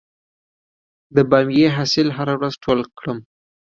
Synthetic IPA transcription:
d̪əbamjeɦasɪlɦaɾawɾazʈʰolkɽəm

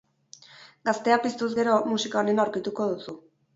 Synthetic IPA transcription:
ɡast̪e̞apist̪uzɡe̞ɾo̞musikaone̞nawɾkit̪uko̞ðusu

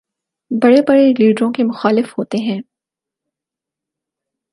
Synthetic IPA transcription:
bɐɽebɐɽeliːɖɾõkemʊxaːlɪfɦoːt̪eɦɛ̃ː

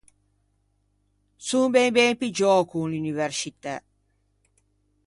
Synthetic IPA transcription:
sumbɛbɛmpid͡ʒɔːkunlunivɛrsit̪a

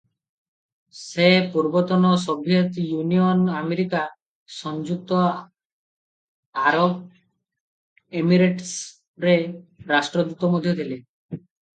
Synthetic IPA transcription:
sepuɾbɔt̪ɔnɔs̬ɔbʱjet̪junijɔnameɾika | sɔnd͡ʒuk̚t̪ɔ | aɾob | emiɾeʈs | ɾeɾasʈɾɔd̪ut̪ɔmod̪ʱjɔd̪ʰʱile

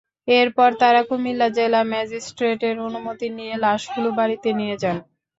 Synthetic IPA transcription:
eɾpɔɾt̪aɾakomilːad͡ʑelamɛd͡ʑisʈɾeʈeɾonumot̪inijelaʃɡulobaɾit̪enijed͡ʑan

